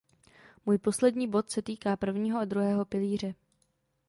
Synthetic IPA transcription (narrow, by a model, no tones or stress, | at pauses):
muːjpo̞slɛdɲiːbo̞t̪sɛt̪iːkaːpr̩vɲiːɦoʔad̪ɾuɦɛːɦo̞pɪliːr̝ɛ